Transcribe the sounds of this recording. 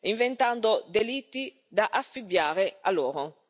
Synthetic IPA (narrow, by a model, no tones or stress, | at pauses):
iɱvent̪and̪od̪elit̪ːi | d̪aʔafːibjaːɾea̰lːoːɾo